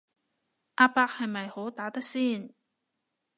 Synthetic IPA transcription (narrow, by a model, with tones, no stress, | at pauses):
ʔaː˧paː˧˥k̚hɐ˨jmɐ˨jho˨˥wt̪aː˨˥t̪ɐ˥k̚siː˥˩n